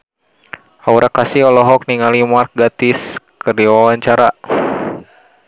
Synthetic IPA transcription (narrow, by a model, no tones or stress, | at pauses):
auɾakasiɔlɔɦɔk̚niŋalimark̚ɡat̪iskəɾiwawaɲt͡ʃaɾa